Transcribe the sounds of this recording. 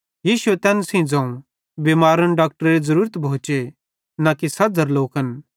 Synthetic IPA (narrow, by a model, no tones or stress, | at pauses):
jiːʃʊet̪ɛ̃ːnsĩd͡zãːũ | bimaːɾənɖaːk̚ʈəɾɾezɐɾuːɾət̪bʱõːt͡ʃe | nakisɐd͡zʱɐɾloːkɦɐn